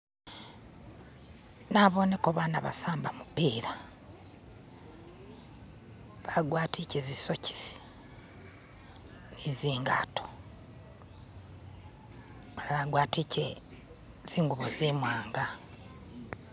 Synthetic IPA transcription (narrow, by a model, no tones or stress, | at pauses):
naβo̞nekoβaːnaβa̰saːmbamupiːɾa | βaɡwaːtʰicezisoci̥si̥ | niziːŋɡa̰tʰo̥ | lβaɡwaːtice | z̥iːŋɡuβozimwaːŋɡa